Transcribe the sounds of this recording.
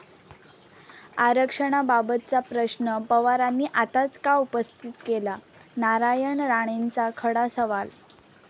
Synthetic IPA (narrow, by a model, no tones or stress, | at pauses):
aɾəkʂəɽ̃ababət̪̚t͡sapɾəɕnəpəʋaɾanːiːʔat̪at͡skaupəst̪ʰit̪kela | naɾajəɳɾaɽ̃ent͡sakʰəɽasəʋal